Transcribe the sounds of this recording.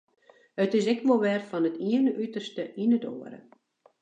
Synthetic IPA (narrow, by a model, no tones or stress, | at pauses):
ətɪs̬ɛkʋolˠʋɛrfɔnətʰiənəʔytərstəʔinəto̰ːəɾə̰